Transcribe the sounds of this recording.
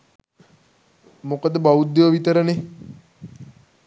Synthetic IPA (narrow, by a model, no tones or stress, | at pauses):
mokəd̪əbaud̪ːeʋəʋit̪əɾəne